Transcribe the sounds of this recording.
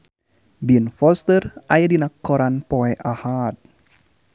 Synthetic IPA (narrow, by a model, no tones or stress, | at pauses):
binfɔst̪ərajadinakːɔɾanpɔɛʔahat̪̚